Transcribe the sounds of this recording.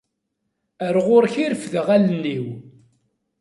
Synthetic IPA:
əɾʁʊɾçiɾfðəʁælnːiw

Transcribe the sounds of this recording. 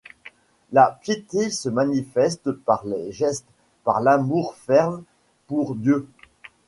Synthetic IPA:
lapjet̪esəmanifɛst̪paʁleʒɛst̪ | paʁlamuʁfɛʁm | puʁd̪jø

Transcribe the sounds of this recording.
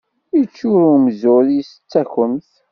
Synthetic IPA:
ət͡ʃːuɾumzʊðisət͡sːæçəmθ

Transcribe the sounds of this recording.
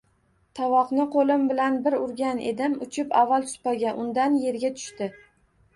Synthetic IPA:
t̪ʰɒvɒqnɪqʰolɪmbɪlanbɪɾʊɾɡʲanʔe̞̰d̪ɪmʊt͡ʃʰɪpavːalˠt̪ʰʊ̥spaɡʲaʔʊnd̪anje̞ɾɡʲat̪ʰʊ̥ʃt̪ɪ

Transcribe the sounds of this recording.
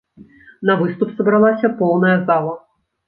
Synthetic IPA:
nɐvɨst̪upsɐbɾalˠasʲɐpɔwnɐjɐzalˠɐ

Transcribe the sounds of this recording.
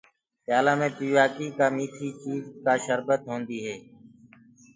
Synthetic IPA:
pɪjaːlaːmẽːpiːʋaːkiːkaːmiːʈʰiːt͡ʃiːzkaːʃəɾbət̪ɦõːnd̪iːɦeː

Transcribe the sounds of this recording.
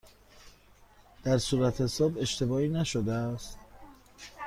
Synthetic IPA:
d̪̥æɾsuːɾæt̪ʰesoːbe̞ʃt̪e̞bɒːiːnæʃod̪eæst̪

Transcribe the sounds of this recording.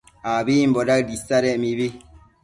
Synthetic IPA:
abeimbɔdadisaɾɛmibe

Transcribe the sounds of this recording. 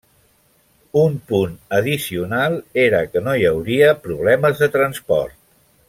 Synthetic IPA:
umpunəðisiunalˠeɾəkənojəwɾiəpɾuβ̞lɛməzðət̪ɾənspɔ̰ɾt̪̚

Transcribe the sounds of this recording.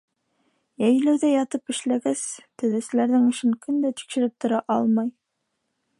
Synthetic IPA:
jæjlæwðæjɑt̪ɤpɘ̆ʃlæɡæst̪ɵ̆ðæsɘ̆læɾðɘŋɘ̆ʃɘŋkɵnd̪æt̪i̥kʃɘ̆ɾɘp̚t̪ŏɾɑʔɑlˠmɑj

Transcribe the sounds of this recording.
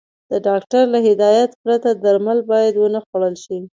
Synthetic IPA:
d̪̥əɖɑkʈaɾlaɦɪd̪ɑjat̪pɾat̪ad̪aɾmalbɑjad̪wənaxwaɽəlʃi

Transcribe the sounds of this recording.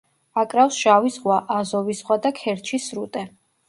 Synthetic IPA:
akʼɾafsʒ̥avisʁwaʔazɔvisʁwad̪akʰɛɾt͡ʃʰisɾut̪ʼɛ

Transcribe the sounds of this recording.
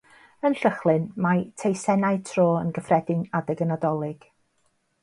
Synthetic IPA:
ənɬəχlˠɨnmatʰejsɛnaɨtʰroːənɡəfrɛdɪŋadɛɡənadɔlˠɪɡ̥

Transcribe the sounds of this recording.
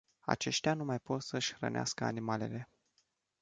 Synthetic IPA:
a̰t͡ʃe̞ʃt̪eanumajpo̞t̪səʃʲxrə̰nea̰skəa̰nimale̞̰le̞

